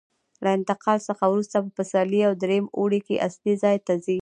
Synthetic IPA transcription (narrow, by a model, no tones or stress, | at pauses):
laɪnt̪ɪqɑlsəxawɾust̪ap̬əpəsɑliawd̪ɾemoɽekeʔaslizɑjt̪azi